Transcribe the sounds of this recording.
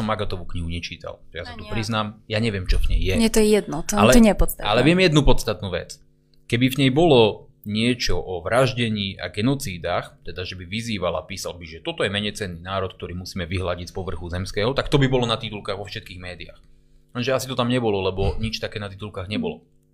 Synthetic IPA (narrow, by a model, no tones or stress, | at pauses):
ɔmːaɡat̪ɔʋukɲiɦuɲɛt͡ʃiːt̪a̰lʒɛjasat̪upɾiznaːmjaɲɛʋɪɛmt͡ʃɔvɲɛjːɛɛt̪ɔjɛjɛd̪̚nɔalɛɲɛɛpɔt̪st̪aalɛʋɪɛmjɛd̪nupɔt̪st̪at̪nuːʋɛ̰t͡s | kɛbivɲɛjbɔlɔ | ɲɪɛt͡ʃɔʔɔʋɾaʒɟɛɲiːa̰ɡɛnɔt͡siːd̪axt̪ɛd̪aʒɛbiʋiziːʋala̰piːsalbiʒɛt̪ɔt̪ɔjɛmɛɲɛjt͡sɛnːiːnaːɾɔt̪̚k̚t̪ɔɾiːmusiːmɛʋiɦlaɟid͡zpɔʋr̩xuzɛmskɛːɦɔt̪akt̪ɔbibɔlɔnat̪it̪ulkaːɣʋɔfʃɛt̪̚kiːɣmɛːd̪ia̰x | ɛnʒɛasit̪ɔt̪amɲɛbɔlɔlɛbɔɲit͡ʃt̪akɛːnat̪it̪ulkaːɣɲɛbɔlɔ̰